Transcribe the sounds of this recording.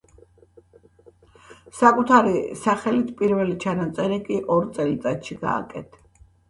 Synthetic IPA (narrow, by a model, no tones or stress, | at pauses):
sakʼut̪ʰaɾisaχɛlit̪ʰpʼiɾvɛlit͡ʃʰanat̪sʼɛɾikʼiʔɔɾt̪sʼɛlit̪ʼat̪ʃiɡa̰ːkʼɛ̰t̪ʰḁ